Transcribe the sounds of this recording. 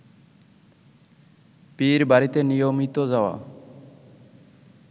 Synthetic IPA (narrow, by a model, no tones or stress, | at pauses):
piɾbaɾit̪enijomit̪od͡ʑaoa̰